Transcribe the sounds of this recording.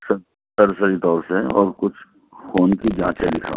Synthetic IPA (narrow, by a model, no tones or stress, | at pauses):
sɐ | t̪ɐɾsəɾit̪ɔːɾseɔːɾkʊt͡ʃʰ | foːnkid͡ʒãːt͡ʃed̪ɪkʰa̰ː